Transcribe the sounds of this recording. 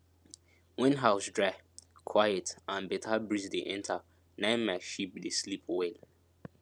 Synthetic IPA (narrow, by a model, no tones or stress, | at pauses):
wĩnɦaʊsdɹakʰwajɛtãnbɛtʰabɹisdeʔɛ̃ntʰa | nãɪ̃nmaʃip̚deslipwel